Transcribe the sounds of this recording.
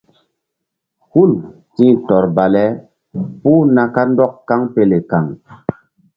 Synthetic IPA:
hu˦˨l | tĩ˦tɔ˨ɾba˨lɛ˨˦ | puː˦na˨ka˦ndɔ˦kːa˦ŋpe˨le˨ka˨ŋ

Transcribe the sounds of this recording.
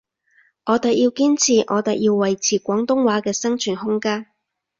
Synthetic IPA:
ŋɔː˨˧t̪ɐ˨k̚jiː˧wkiː˥nt͡sʰiː˨ʔɔː˨˧t̪ɐ˨˩k̚jiː˧wwɐ˨jt͡sʰiː˨˩kʷɔː˨˥ŋt̪ʊ˥ŋwaː˨˥kɛː˧sɐ˥ŋt͡ʃʰyː˨˩nhʊ˥ŋkaː˥n

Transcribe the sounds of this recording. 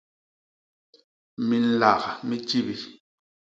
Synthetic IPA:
mi˨n̩˦˨la˨ɣmi˦t͡ʃi˦bi˨

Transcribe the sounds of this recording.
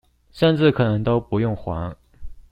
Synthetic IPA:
ʂə˥˧nʈ͡ʂɻ̩˥˩kʰɤ˨˩nɤ˧˥ŋt̪o˥ʊpu˧˥jʊ˥˩ŋxwa̰˧˥ŋ

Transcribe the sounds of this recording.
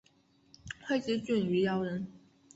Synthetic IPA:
xʰwe˥˧ɪt͡ɕi˧˥t͡ɕy˥˩ny˧˥jɑ˧˥ʊɻə˧˥n

